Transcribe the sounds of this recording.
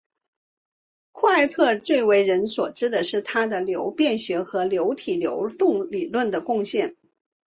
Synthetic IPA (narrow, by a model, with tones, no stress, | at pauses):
kʰɔ˥˧a˥˧ɪt̪ʰɤ˥˧t͡swe˥˩ɪwe˧˥ɪɻə˧˥nswɔ˨˩ʈ͡ʂɻ̩˥d̪ə˨ʂɻ̩˥˩t̪ʰa˥d̪ə˨ljo˧˥ʊpjɛ˥˩nɕɥɛ˧˥xɤ˧˥ljo˧˥ʊt̪ʰi˨˩ljo̰˧˥ʊt̪ʊ˥˩ŋli˨˩lwə˥˩nd̪ə˩kʊ˥˧ŋɕjɛ˥˩n